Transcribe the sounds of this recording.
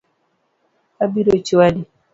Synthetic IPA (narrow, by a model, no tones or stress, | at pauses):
abiɾot͡ʃwadi